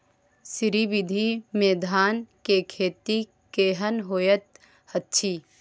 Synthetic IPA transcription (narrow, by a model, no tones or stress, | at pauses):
sɪɾiʋɪd̪ʱimẽːd̪ʱaːnkekʰeːt̪i | keːɦənɦoːjət̪ | hət̪ːt͡ʃʰiː